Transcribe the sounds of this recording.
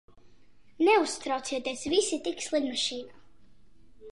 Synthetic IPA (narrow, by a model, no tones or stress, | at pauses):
nɛust̪ɾawt̪siɛt̪iɛsvisit̪ikslˠid̪maʃiːnaː